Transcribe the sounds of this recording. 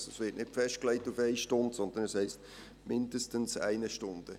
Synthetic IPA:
səsʋɪtnɪtfɛʃtklɛɪtufeɪʃtʊndsɔnd̪ənɛshɛɪst | mɪndəstənsæ̰ɪnəʃtʊnd̥ə

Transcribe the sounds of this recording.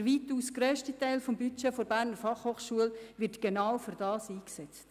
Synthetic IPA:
ɾʋiːtuːsɡ̥ɾøːʃtitæɪlfɔmbyt͡ʃefoɾbæːɾnəɾfɑχhoːχʃuəlʋɪɾtɡ̥enɑwfyɾdɑːsiːksɛt͡st

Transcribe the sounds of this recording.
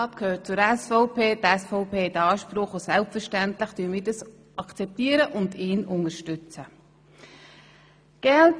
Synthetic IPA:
tkʰhøːt̚t͡sʊɾɛsfɔʊpʰeːtɛsfɔʊpʰeːdəɑːʃpɾʊχosɛlpfəɾʃtɛntlɪχtyːmɪːdɑs | ɑkt͡sɛp̚tiəɾəʔʊndɪːnʊnəɾʃtʏt͡sə | ɡ̥ɛlt

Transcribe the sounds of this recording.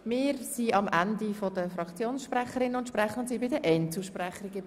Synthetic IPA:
mɪːɾsiɑmʔandifodəfrɑkt͡sjoːnsʃprɛχəɾɪnʊntʃprɛχəɾʊnsibɪdəʔɛntt͡suʃprɛχəɾɡɪ

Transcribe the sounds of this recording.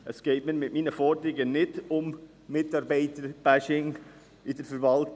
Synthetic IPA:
əsɡ̥ɛɪtmiːɾmɪtmiːnəfɔɾd̪əɾɪɡənɪdʊmː | ɪtɑɾbɛɪtəɾb̥æʃɪŋ | ɪdəɾfəɾvɑlt

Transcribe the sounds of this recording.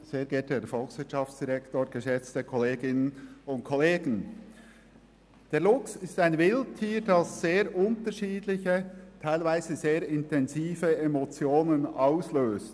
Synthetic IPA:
z̥eːɾɡɛːteɾfɔlksv̥ɪtʃɑfsd̥iʁɛktoːɡ̥əʃɛt͡stəkʰɔleːɡɪnənʊnt̚kʰɔleːɡ̥ən̩ | d̥eːɐlʊksɪstaɪnvɪltʰiːɾdɑsz̥eːɾʔʊntəɾʃiːdlɪçətʰaɪlvæɪzəzeːɾɪntʰɛnziːfəemot͡sjoːnənaʊsløːst

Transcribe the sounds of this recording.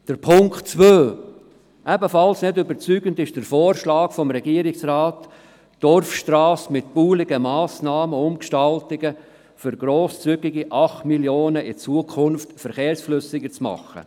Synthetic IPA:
d̥əɾpʰʊŋktt͡svøː | ʔɛbəfɑlsnɪdʏbəɾt͡syːɡəndɪʃd̥əɾfoːɾʃlaːɡfɔmɾɛɡiəɾɪksraːt | d̥ɔrfʃtraːsmɪtpuːlɪɡəmaːsnɑːməʊmkʃtɑltɪɡə | fʏɾɡɾoːst͡syɡɪɡiʔɑχtmiljoːnəʔɪt͡suəkʰʊnftfəɾχeːɾsflʏsɪɡəɾt͡smɑ̰χə̰

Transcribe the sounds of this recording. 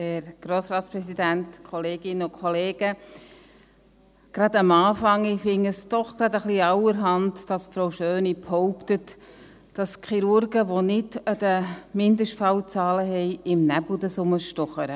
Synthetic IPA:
hɛɾɡ̥roːsɾɑːtspɾɛsidæntkʰχɔleːɡ̥ɪnəʊkχɔleːɡ̥ə | ɡ̥ɾɑdɑmɑːfɑŋɪfɪŋːəsd̥ɔχɡ̥ɾɑdəχliːɑwəɾɦɑndd̥ɑsfɾoʃøːniphɔʊptət | d̥ɑsχiɾʊɾɡəʋɔnɪdəd̥əmɪndəʃtfɑwt͡sɑːləɦɛɪɪmnæbl̩dəsʊməɾʃtɔχəɾə

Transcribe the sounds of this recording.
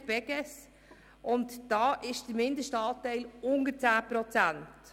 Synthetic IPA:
b̥ɛɡ̥ɛs | ʔʊntd̥ɑːʔɪʃd̥əɾmɪndəʃtɑːtɛɪlʊndət͡sæːpɾɔt͡sænt

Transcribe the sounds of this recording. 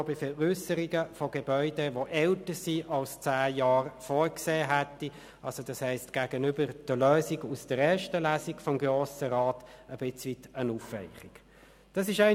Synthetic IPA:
bɪfɛɾʏsəɾiɡəfɔɡebœʏdɛʋoʔɛltəsiʔɑlst͡sæːjɑːɾfɔːɾkseːɦætːi | ɑlsodɑshɛɪstɡ̥æɡ̥ənʏbəɾd̥əløːsiɡusd̥əɾɛːʃtəlæːsiɡfɔmɡʁoːsəɾɑːtəb̥ɪt͡sʋitənufʋɛ̰ɪχik | d̥ɑsɪʃæɪ

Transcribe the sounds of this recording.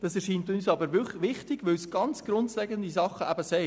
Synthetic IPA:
d̥ɑsɛʃiːntynsɑbəɾʋɪʋɪχtɪɡ̥ʋelsɡ̥ɑnt͡sɡ̥ɾʊntlɛɡəndisɑχːəæbəsɛ

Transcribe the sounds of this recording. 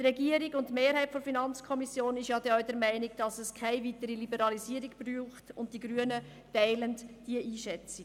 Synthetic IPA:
trɛɡiəɾiɡʊntmeːɾhɛɪtfɔɾfinɑnt͡skʰɔmisjoːnɪʃjɑdɛœʊdɛɾmɛɪniɡd̥ɑsɛskʰaɪvitəɾilibəɾɑlisiːəɾiɡb̥ryːχtʊnt̚d̥iɡɾyənə | tɛɪləndd̥iəʔiːʃɛt͡si

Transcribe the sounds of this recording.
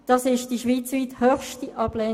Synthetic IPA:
d̥ɑːsɪʃd̥iʃʋiːt͡sʋiːthœχʃtiʔɑb̥lɛː

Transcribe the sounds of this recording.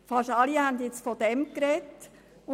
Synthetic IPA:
fɑʃɑlihænd̪jɛt͡sfɔd̪ɛmkɾɛt | ʊ

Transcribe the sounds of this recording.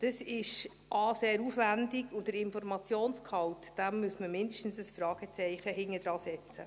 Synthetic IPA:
d̥əsɪʃ | ʔɑːseːɾuːfʋændɪɡʊd̥əɾɪnfɔɾmɑt͡sjoːnskʰɑwtd̥æmːʉsməmɪndəʃtən̩səsfɾɑːɡ̥ət͡sɛɪχəɦɪŋːəd̥ɾɑːsɛt͡sə̰

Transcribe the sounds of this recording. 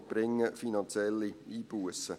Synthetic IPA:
b̥ɾɪŋːəfinɑnt͡sjɛlːiiːb̥uəsə

